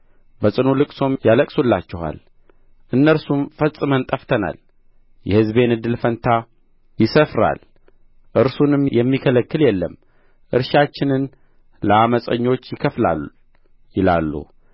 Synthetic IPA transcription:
bəsʼɨnulɨkʼso̞mjaləkʼsulːat͡ʃːɛha̰l | ʔɨnːəɾsumfəsʼɨmənt̪ʼəft̪ʰəna̰l | jɛhɨzbe̞nɨd̪ːɨlfənt̪ʰa | jɪsəfɾa̰l | ʔɨɾsunɨmjɛmːikʰələkːɨljɛlːəm | ʔɨ̰ɾʃat͡ʃːɪnɨn | ləaməsʼəɲːo̞t͡ʃːjɪkʰəfla̰l | jɪla̰lːṵ

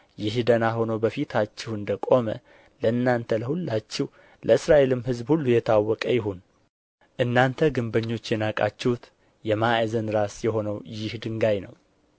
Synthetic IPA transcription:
jɪɦd̪ənaɦo̞nəwbəfit̪ʰat͡ʃːɪhɨnd̪əkʼo̞mə̰ | ləɨnːant̪ʰələhulːat͡ʃːɪh | lʔəɨsɾaʔe̞lɨmhɨzbhulːujɛt̪ʰawːɔkʼəjɪɦun | ʔɨnːant̪ʰəɡɨmbəɲːo̞t͡ʃːjɛnakʼa̰t͡ʃːɛhut̪ | jɛmaezənɾasjɛɦo̞nəwjɪhd̪ɨŋɡajnəw

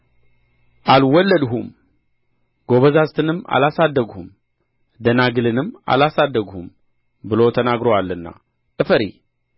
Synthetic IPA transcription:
ʔalwɔlːəd̪ɦum | ɡo̞βəzazt̪ʰɨnɨmːa̰lasad̪ːəɡhum | d̪ənaɡɨlɨnɨmːa̰lasad̪ːəɡhum | bɨlo̞t̪ʰənaɡɾowalːɨnːa̰ | ʔɨfəɾḭ

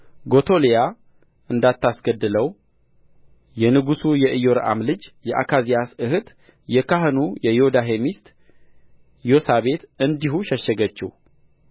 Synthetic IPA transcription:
ɡo̞t̪ʰo̞lija | ɨnd̪at̪ːasɡəd̪ːɨləw | jɛnɨɡusujɛʔɨjo̞ɾʔa̰mlɨd͡ʒjɛʔa̰kʰazijasɨhɨt̪ | jɛkaɦɨnujɛjod̪aɦemist̪ | josaβe̞t̪ɨnd̪iɦuʃɛʃːəɡət͡ʃːɪ̰h

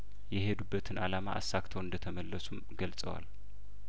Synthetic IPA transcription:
jɛɦe̞d̪ubːət̪ʰɨnʔa̰lama̰ʔa̰sːakt̪ʰəwɨnd̪ət̪ʰəməlːəsum | ɡəlsʼə̰wa̰l

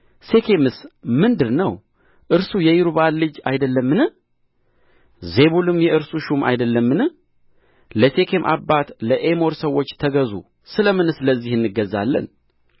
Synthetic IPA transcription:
se̞kʰe̞mɨsmɨnd̪ɨɾnəw | ʔɨɾsujɛjɪɾuβanlɨd͡ʒajd̪əlːəmːɨnɨh | ze̞βulɨmjɛʔɨɾsuʃumʔa̰jd̪əlːəmːɨnɨ | ləse̞kʰe̞mʔa̰bːat̪ləʔemo̞ɾsəwːo̞t͡ʃːt̪ʰəɡəzṵ | sɨləmɨnɨsləzːihɨnːɨɡːəzːa̰lːə̰n

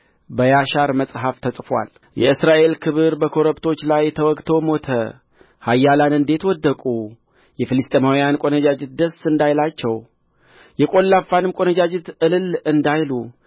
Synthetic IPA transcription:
bəjaʃaɾməsʼɦaft̪ʰəsʼfwa̰l | jɛ̰ɨsɾaʔe̞lkʰɨβɨɾbəkʰo̞ɾəpt̪ʰo̞t͡ʃːlajt̪ʰəwɔkʼt̪ʰo̞mo̞t̪ʰə | hajːalanɨnd̪e̞t̪wɔd̪ːəkʼu | jɛfɨlɨst̪ʼemawijankʼo̞nəd͡ʒad͡ʒɛt̪̚d̪əsɨnd̪ajlat͡ʃːɛw | jɛkʼo̞lːafːanɨmkʼo̞nəd͡ʒad͡ʒɛt̪ʔɨlɨlɨnd̪ajlu

